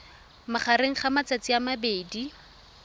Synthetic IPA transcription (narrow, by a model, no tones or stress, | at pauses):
maχaɾeŋ̩χamat͡sat͡siamabeːdi